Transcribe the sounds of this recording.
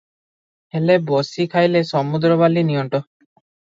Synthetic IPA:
helebɔsikʰajlesɔmud̪ɾɔβalinijɔɳʈɔ

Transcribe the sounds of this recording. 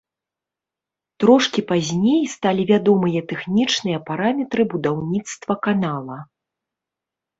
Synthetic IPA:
t̪ɾɔʂkʲipazʲnʲejst̪alʲivʲad̪ɔmɨjɐt̪ɛxnʲit͡ʂnɨjɐpaɾamʲɛt̪ɾɨbud̪awnʲit̪st̪vɐkanalˠɐ

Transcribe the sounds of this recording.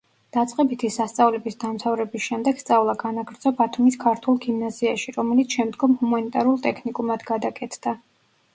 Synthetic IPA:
d̪̥at̪sʼqʼɛbit̪ʰisast̪sʼavlɛbisd̪amt̪ʰavɾɛbisʃɛmd̪ɛɡ̥st̪sʼavlˠaɡanaɡɾd̪zɔbat̪ʰumiskʰaɾt̪ʰulˠɡimnaziaʃiɾɔmɛlit̪sʰʃɛmd̪ɡɔmhumanit̪ʼaɾulˠt̪ʼɛkʰnikʼumad̪ɡad̪akʼɛt̪ʰd̪̥a

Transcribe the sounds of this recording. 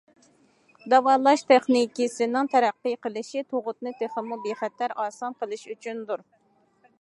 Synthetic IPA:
d̪ɑwɑːlˠɑʃt̪ʰɛχnikʲisɪnɪŋt̪ʰɛɾæqːəjqəlˠɨʃit̪ʰoʁʊt̪̚nɨt̪ʰeχəmubeχɛt̪læɾɑːsɑnqəlˠɨʃyt͡ʃʰynd̪uɾ

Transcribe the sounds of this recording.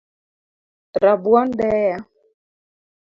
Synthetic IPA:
ɾabwɔndɛja

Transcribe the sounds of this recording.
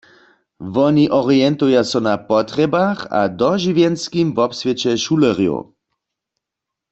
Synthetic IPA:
ʋɔniʔɔʁiɛnt̪ujasɔnapɔt̪ʁɛbaxa̰d̪ɔʒivjɛnskimvɔpsvjɛt͡ʃɛʃulɛʁjo̰

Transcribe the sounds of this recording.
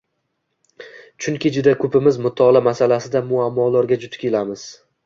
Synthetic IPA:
t͡ʃʰʊŋkʲid͡ʒʊd̪akʰɵpʰɪmɪzmʊt̪ʰːɒlˠamasalasɪd̪amʊamːɒlˠaɾɡʲad͡ʒʊt̪ʰʊ̥kʲʰelamɪz̥

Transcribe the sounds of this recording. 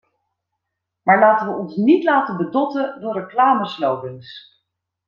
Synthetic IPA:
maːɹlaːtəʋəɔnsnitlaːtəbədɔtədʊːrəklaːməslowbəns

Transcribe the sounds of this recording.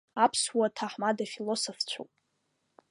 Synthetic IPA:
apʰswatʰaħmadafilosoft͡ɕʷʰo̰wpʼ

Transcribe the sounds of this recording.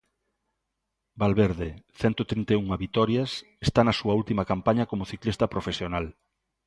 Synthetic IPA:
balβeɾðeθɛnt̪ot̪ɾint̪euŋɐβit̪ɔɾjas | est̪anɐsuɐult̪imɐkampaɲɐkomoθiklist̪ɐpɾofesjonal

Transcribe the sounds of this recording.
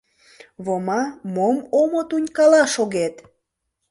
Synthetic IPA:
βomɑmomomot̪unʲkɑlɑʃoɣet̪

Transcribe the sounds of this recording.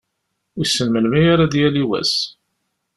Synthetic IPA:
isːənməlmijaɾad̪jæliwæ̰s

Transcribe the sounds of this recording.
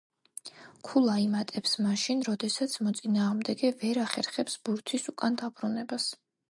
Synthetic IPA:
kʰulˠaimat̪ʼɛpsmaʃinɾɔd̪ɛsat̪sʰmɔt̪sʼinaːʁmd̪ɛɡɛvɛɾaχɛɾχɛpsb̥uɾt̪ʰisukʼand̪abɾunɛbas

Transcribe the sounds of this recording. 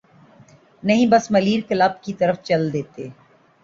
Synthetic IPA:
nɐɦĩbɐsmɐliːɾkɪlaːb̚kit̪ɐɾəft͡ʃɐld̪eːt̪eː

